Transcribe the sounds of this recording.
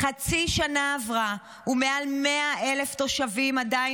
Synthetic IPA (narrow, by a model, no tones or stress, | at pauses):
χat͡siʃanaːvʁa | ume̞almeaʔe̞left̪o̞ʃavimadaj